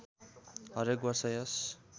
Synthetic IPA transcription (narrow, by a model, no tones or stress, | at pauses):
ɦʌɾekbʌrsʌjʌs